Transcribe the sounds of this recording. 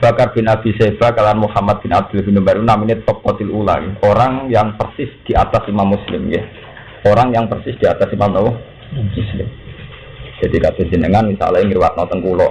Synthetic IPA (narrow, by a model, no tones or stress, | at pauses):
b̥akarb̥i̤nab̥i̤seb̥akalaanmuhamat̪̚b̥i̤nab̥ɪlbi̤numbaɾunaminet̪ɔp̚ːɔt̪ɪlula̰keoɾaŋjaŋpərsɪsd̪̥i̤at̪asimamːuslɪmke | oɾaŋjaŋpərsɪsd̥i̤at̪asimamnɔwɔ | muslɪ̰m | d͡ʒ̥ad̪̥ikatəd͡ʒ̥i̤nəŋanmisa̰laɪŋɾiwat̪̚nɔt̪ɔŋkulɔ